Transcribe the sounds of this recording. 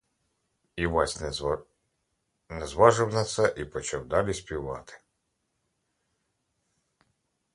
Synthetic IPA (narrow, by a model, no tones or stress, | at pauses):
iʋɑsʲ | nɛzʋɑʒɪwnɐt̪sɛʔipɔt͡ʃɑwd̪ɑlʲisʲpʲiʋɑt̪ɪ̥